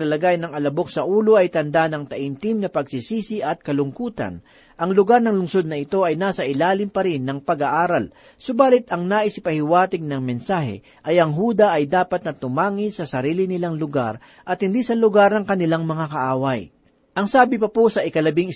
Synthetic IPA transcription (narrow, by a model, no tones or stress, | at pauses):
lɐlɐɡajnɐŋɐlɐbo̞k̚sɐʔuːlo̞ʔɐjt̪ɐnd̪anɐŋt̪ɐʔɪnt̪ɪmnɐpɐɡsisiːsɪʔɐt̪̚kɐlʊŋkuːt̪ɐ̰n | ʔɐŋlʊɡaɾnɐŋlʊŋso̞d̪̚nɐɪt̪o̞ʔɐjnaːsɐʔɪlaːlɪmpɐɾɪnːɐŋpɐɡaʔaːɾɐl | sobaːlɪt̪ɐŋnaːʔɪsɪpɐhɪwaːt̪ɪɡ̚nɐŋmɛnsaːhɛ̰ | ʔɐjʔɐŋɦuːd̪ɐʔɐjd̪aːpɐt̪̚nɐt̪ʊmaːŋɪnsɐsɐɾiːlɪnɪlaŋlʊɡa̰ɾ | ʔɐt̪̚hɪnd̪isɐlʊɡaɾnɐŋkɐnɪlaŋmɐŋakɐʔaːwɐj | ʔɐŋsaːbɪpɐposɐʔɪkɐlɐbɪŋ